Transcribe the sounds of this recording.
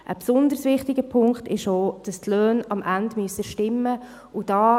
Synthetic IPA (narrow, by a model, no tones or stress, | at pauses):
ʔə̰psʊnd̪əɾsʋɪχtɪɡəpʰʊŋkχtɪʃoːd̥ɑstløːnɑmʔændmyəsəʃtɪmːə | ud̥ɑː